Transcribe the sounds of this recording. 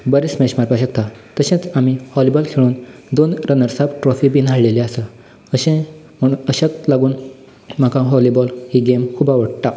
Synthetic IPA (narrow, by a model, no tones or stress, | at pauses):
bəɾit͡smɛɕmaɾpaɕək̚t̪at̪əɕẽt͡samihɔlibɔlkʰeɭuːnd̪onɾənəɾsabʈɾɔfibinʱaɭleliasə | əɕẽ | m̤əɽ̃unəɕəkt̪laɡuːn | makãɦɔlibɔlhiɡemkʰuːbaʋəɽt̪a